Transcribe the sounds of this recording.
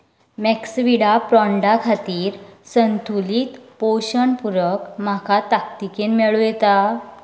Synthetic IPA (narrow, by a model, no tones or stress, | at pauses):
mɛksʋiɽapɾɔ̃ɳɖakʰat̪iːɾsənt̪uliːt̪poɕəɳpuɾəkm̤akʰat̪ak̚t̪ikenmɛɭojɛt̪a